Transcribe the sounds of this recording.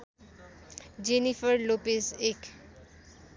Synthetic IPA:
d͡ʑenifəɾlopesek

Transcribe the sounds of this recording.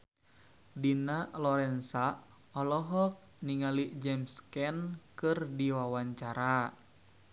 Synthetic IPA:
dinalɔɾɛnsa | ɔlɔɦɔk̚ | niŋaliʔd͡ʒɛmskɛnkɨrdiwawaɲt͡ʃaɾa

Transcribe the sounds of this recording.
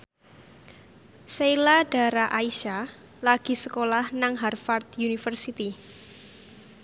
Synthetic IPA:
sejlad̥a̤ɾaʔaiʃa | laɡ̥i̤səkolahnaŋɦarfart̪̚junifərsit̪i

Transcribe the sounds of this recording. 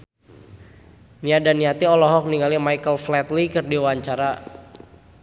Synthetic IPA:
niadaniat̪iɔlɔɦɔk̚niŋalimajkəlflɛt̪likərdiwaɲt͡ʃaɾa

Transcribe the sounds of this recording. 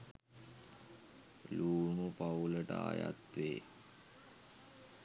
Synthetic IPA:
luːnupauləʈəaːja̰t̪ʋeː

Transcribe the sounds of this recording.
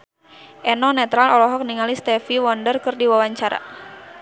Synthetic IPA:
ʔɛnɔnɛt̪ɾalɔlɔɦɔk̚niŋalist̪ɛfiwɔndərkɨrdiwawaɲt͡ʃaɾa̰

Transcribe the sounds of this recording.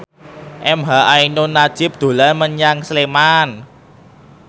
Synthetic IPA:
ʔɛmɦaʔainonad̥ʒ̥ɪ̤p̚d̪̥o̤lanməɲaŋsleman

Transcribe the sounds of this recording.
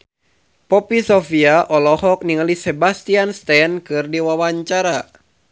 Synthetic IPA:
pɔpisɔfiaʔɔlɔhɔk̚niŋalisɛbast̪ianst̪ɛnkɨrdiwawaɲt͡ʃaɾa

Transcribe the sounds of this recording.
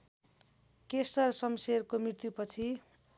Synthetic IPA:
kesʌrsʌmserkomrirt̪jupʌt͡sʰi

